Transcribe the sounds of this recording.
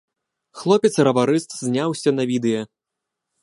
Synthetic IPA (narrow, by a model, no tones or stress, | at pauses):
xlˠɔpʲɛt̪srɐvaɾɨst̪zʲnʲawsʲɐnɐvʲid̪ɨjɐ